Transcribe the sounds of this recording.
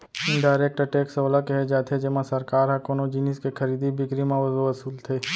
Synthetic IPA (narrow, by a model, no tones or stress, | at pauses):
ɖaːɪɾeːk̚ʈəʈeːksoːlakɛɦed͡ʒaːt̪ʰed͡ʒɪmãsɐɾkaːɾɦɛ̃koːnod͡ʒiniskekʰɐɾiːd̪ibʱɪkɾimãʋɐzʋɐsuːlt̪ʰeː